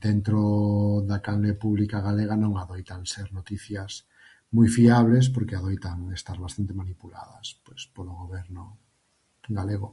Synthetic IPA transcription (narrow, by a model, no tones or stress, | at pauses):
d̪̥ent̪ɾoðakannepuβlikaɣ̞aleɣ̞anõŋaðojt̪anseɾnot̪iθjas | mujfiaβles̬poɾkeaðojt̪aŋest̪aɾβast̪ant̪emanipula̰ðɐspespoloɣoβɛɾno | ɡaleɣ̞o